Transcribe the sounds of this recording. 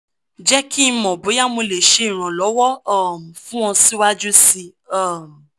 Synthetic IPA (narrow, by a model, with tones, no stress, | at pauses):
d͡ʒɛ˦kʰi˦˧mɔ̃˨bo˨˦ja˦mo˧le˨ʃe˧˦ĩ˨ɾ̃ã˨lɔ˨˦wɔ˦ɔ˦˨m̩˨fũ˦w̃ɔ̃˧si˦wa˦d͡ʒu˦si˧ɔ˦˨m˨